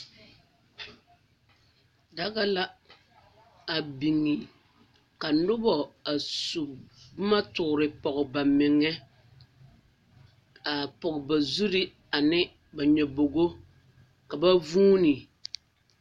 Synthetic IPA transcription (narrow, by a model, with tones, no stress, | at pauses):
da˦ɣa˦la˦ | a˨bi˨ŋːi˨ | ka˨nʊ˦bɔ˨a˨su˨bʊ˦ma˦tʊ˨ɾɪ˨pɔ˨ɣʊ˨ba˨mɪ˨ŋːɛ˦ | a˨pɔ˨ɣɪ˨ba˨zu˦ɾi˦ | a˨nɪ˦ | ba˨ɲɛ˨bo˨ɡo˦ | ka˨ba˦vuː˦ni˨